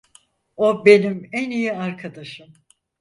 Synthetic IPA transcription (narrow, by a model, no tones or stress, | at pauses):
o̞be̞nimænijiaɾkʰad̪aʃɯm